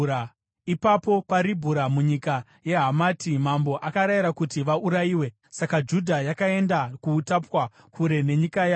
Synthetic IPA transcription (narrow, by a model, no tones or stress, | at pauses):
ipapo̞paɾibʱuɾamuɲika | je̞ɦamaːtimambo̞ʔakaɾajiɾakutiʋaʔuɾajiːwe̞ | sakad͡ʒudʱajakae̞ndakuːtapwa | kʰuɾe̞ne̞ɲikaja